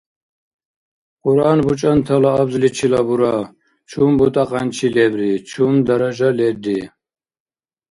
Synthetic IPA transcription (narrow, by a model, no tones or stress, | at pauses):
qʼuɾanbut͡ʃʼant̪ʰalaːbzlit͡ʃʰilabuɾa | t͡ʃʰumbut̪ʼaqʼant͡ʃʰilɛbɾit͡ʃʰumd̪aɾaʒalɛd̪i